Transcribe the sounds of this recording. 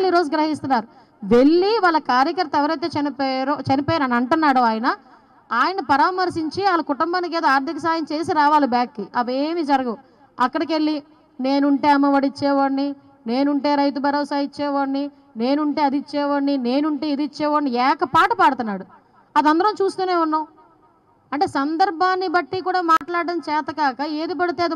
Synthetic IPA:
liːɾo̞ːd͡ʒuɡɾɐɦis̬t̪unːaːɾu | ʋe̞ɭːiʋaːɭːɐkaːɾjɐkɐɾt̪ɐɛʋɐɾɐjt̪̬e̞ːt͡ʃɐnipɛɾoːt͡ʃɐnipɔːjnɐnɐɳʈunːaːɽoaːjɐnɐ | aːjɐnɐpɐɾaːmɐɾsiɲt͡ʃiaːlɐkuʈumbaːnik̬eːd̪aːɾd̪ʱikɐsaːjɐmt͡ʃe̞ːs̬iɾaːʋaːlibjaːkːiʔɐʋeːmiːd͡ʒɐɾɐɡɐ | ɐkːɐɽɐke̞ɭːi | ne̞ːnuɳʈe̞ːɐmːɐʋɐɽit͡ʃːɛːʋoɳːi | ne̞ːnuɳʈe̞ːɾɐjt̪̬ubɐɾoːsaːjit͡ʃːɛːʋɐɳːi | ne̞ːnuɳʈe̞ːɐd̪it͡ʃːɛːʋɐɳːine̞ːnuɳʈe̞ːid̪it͡ʃːɛːʋoːɳiɛːkɐpaːʈɐpaːɽut̪unːaːɽu | ɐd̪ɐnd̪ɐɾɐmt͡ʃuːst̪uːne̞ːunːaw | ɐɳʈeːsɐnd̪ɐɾbʱaːnːibɐʈːikuːɽaːmaːʈlaːɽɖɐmt͡ʃɛːt̪ɐkaːkɐeːd̪ip̬ɐɽit̪eːɐd̪i

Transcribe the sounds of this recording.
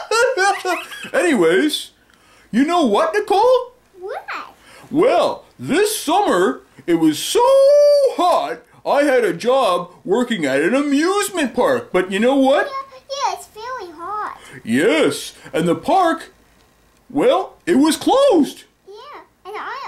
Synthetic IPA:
ʔɛniweɪz̥ | jɨnoʊwʌtɨkʰɔlˠ | wɪæ | wɛlˠðɪsʌmə˞ɨt̚wʌz̥soʊhɑɹɾ | ʔaɪɨɾɨd͡ʒɑb̚wɜ˞kɪ̃ŋɨɾɨ̃nɨmjʉzmɨ̃npʰɑɹk̚b̥ʌt͡ʃɨnoʊwʌt̚jæɪtsfɛlˠĩɦɑɹd̥jɛsʔɨ̃nðəpʰɑɹk | wɛlˠɨt̚wʌz̥kʰl̥oʊzd̥ | jæ̃ | n

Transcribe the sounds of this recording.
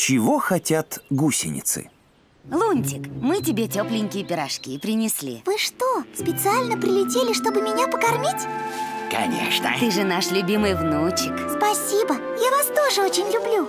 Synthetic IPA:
t͡ɕɪvoxɐtʲat̪ɡusʲɪ̰nʲɪ̰t̪sɨ̰ | lˠunʲtʲɪkmɨt̬ʲɪbʲetʲoplʲɪŋʲkʲɪjəpʲɪɾɐʂkʲipɾʲɪnʲɪsʲlʲḭvɨʂt̪ospʲɪt̪sɨalʲnəpɾʲɪlʲɪtʲelʲɪʂt̪o̞bɨmʲɪnʲapəkɐrmʲitʲkɐ̰nʲḛʂnə̰t̪ɨʐɨnaʂlʲʊbʲimɨjvnut͡ɕɪkspɐsʲibə | javast̪o̞ʐɨot͡ɕɪnʲlʲʊblʲu

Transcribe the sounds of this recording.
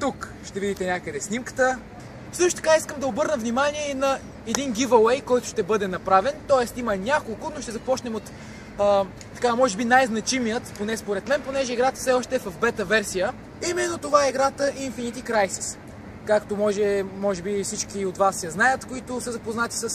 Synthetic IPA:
t̪uk | ʃt̪ɛvid̪it̪ɛnʲakəd̪ɛsnimkə̥t̪ə | sɤʃt̪ʊt̪ɐ̥kaiskəmd̪ɐobɤɾnəvnimaniɛinɐ | ɛd̪inɡʲivɐlɛjkɔjt̪ʊʃt̪ɛbɤd̪ɛnɐpɾavɛnt̪ɔɛst̪imɐnʲakolˠkʊnoʃt̪ɛzɐpɔt͡ʃnɛmot̪ː | t̪ɐ̥kamɔʒɛbinajznɐt͡ʃimijət̪ponɛspoɾɛt̪mɛnponɛʒɛiɡɾat̪ə̥fsɛɔʃt̪ɛːvɐfbɛt̪əvɛɾsijə | imɛnːot̪ovaɛiɡɾat̪əʔinfinit̪ikɾajsi̥s | kakt̪omɔʒɛmɔʒɛbifsit͡ʃkʲiot̪vasjɐznajət̪koit̪ʊsɐzɐpoznat̪i̥səs

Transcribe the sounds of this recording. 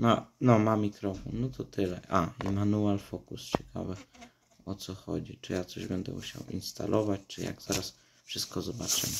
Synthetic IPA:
nɔnɔmamʲikɾɔfɔnːɔt̪ɔt̪ɘlɛ̰ʔaimanualfɔkust͡ɕɛkʰa̰vɛ | ɔt̪sɔxɔ̰d͡ʑit͡ʂɘjat̪sɔʑbɛnd̪ɛ̰ʔuɕa̰wḭnst̪ʰa̰lʔɔvat͡ɕt͡ʂɘja̰ɡz̥aɾas | fʂɘst̪̚kɔzɔbat͡ʂɛ

